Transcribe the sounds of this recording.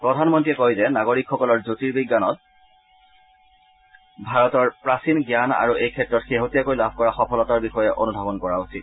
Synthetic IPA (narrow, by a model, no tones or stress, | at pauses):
pɹɔdʱanmɔntiɛkojzɛnaɡoɹikxɔkɔlɔɹzotiɹbiɡːanɔt̚ | bʱaɹɔtɔɹpɹasinɡjana̰ɹuejkʰɛtɹɔtxeɦotijakojlabʱkɔɹaxɔpʰɔlɔtaɹbixɔjɛʔo̰nubʱabɔnkɔɹausit̚